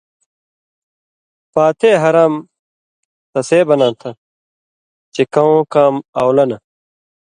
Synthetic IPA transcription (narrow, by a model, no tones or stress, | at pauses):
paːt̪ʰeːɦɐɾaːm | t̪ɐseːbɐnãːt̪ʰɐ | t͡ɕekɐõːkaːmaːwlɐnɐ